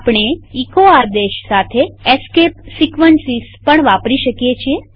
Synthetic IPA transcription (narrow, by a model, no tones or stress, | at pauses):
pɳ̃eikoaɾd̪eʃsat̪ʰeeskepsikʋənsispəɳʋapɾiʃəkjet͡ʃʰie